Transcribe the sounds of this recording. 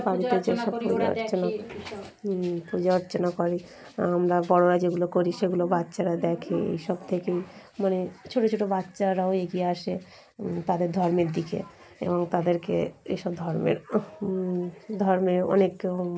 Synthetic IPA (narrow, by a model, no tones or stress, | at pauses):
paɽit̪ed͡ʑeʃɔbpuɾona | pud͡ʒaoɾt͡ɕonakoɾi | amɾabɔɽoɾad͡ʑeɡulokoɾiʃeɡulobatːɕʃaɾad̪ɛkʰeḛjʃɔbt̪ʰekej | manet͡ɕʰoʈot͡ɕʰoʈobatːʃaɾaoeɡieaʃe | t̪ad̪eɾd̪ʱɔɾmeɾd̪ikʰḛ | ḛboŋt̪ad̪eɾkḛḛʃɔb̚d̪ʱɔɾmḛɾ | d̪ʱɔɾmeɔ̰nek